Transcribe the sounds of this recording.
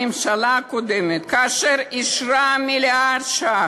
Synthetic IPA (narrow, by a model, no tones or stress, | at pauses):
imʃalakud̪emyt̪̚kaʃeɾiʃɾamilaɾʃa